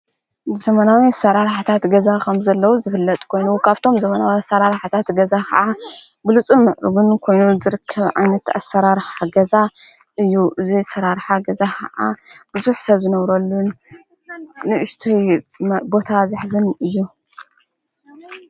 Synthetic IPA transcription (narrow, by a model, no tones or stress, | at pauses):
z̥ɐmɐnawisɐɾaɾħat̪ʰat̪ɡɐzakʰɐmzɐlːɐwuzɨfɨlːɐt̪ʼkʰo̞jnukʰaβt̪ʰo̞mzɐmɐnawiasːɐɾaɾħat̪ʰat̪ɡɐzakʰɐ̰ʔa | bɨlɨt͡sʼumɨʔɾɨβunkʰo̞jnuzɨɾɨkʰːɐβʕa̰jnɐt̪a̰sːɐɾaɾħaɡɐza | ʔɨjːuʔɨzisɐɾaɾħaɡɐzakʰɐ̰ʔa̰b̥ɨzuħsɐβzɨnɐβɾɐlːun | ɨʔɨʃt̪ʰɐjbo̞t̪ʰazɨħzɨnɨjːu